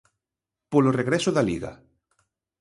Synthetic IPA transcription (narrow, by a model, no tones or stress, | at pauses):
poloreɣɾɛsoðalḭɣa̰